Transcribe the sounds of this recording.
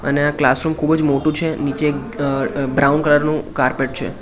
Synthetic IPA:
ə̰neaklasɾumkʰubəd͡ʒmoʈũt͡ʃʰenit͡ʃe | bɾaunkələɾnũkaɾpeʈ̚t͡ʃʰḛ

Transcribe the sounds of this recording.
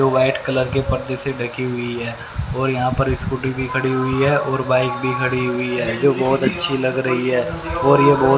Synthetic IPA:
oːbaːɪʈkɐləɾkepɐɾd̪eseɖɐkʰiɦʊiɦɛː | ɔːɾjɐɦãpɐɾɪskʊʈibʱikʰɐɽiɦʊiɦɛːʔɔːɾbaːɪk̚bʱikʰɐɽiɦʊiɦɛːd͡ʒoːbɔːt̪ɐtːʃʰilɐɡɾɐɦiɦɛː | ɔːɾjebɔː

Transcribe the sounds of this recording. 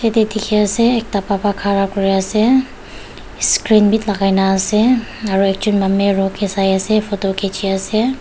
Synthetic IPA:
ket̪ed̪ikʰijaseːk̚t̪apapakʰaɾakʊɾijase | skɾinbʱit̪lɐɡajnaseaɾuek̚t͡ʃunmɐmːeɾõkesajasepʰot̪okʰet͡ʃʰijase

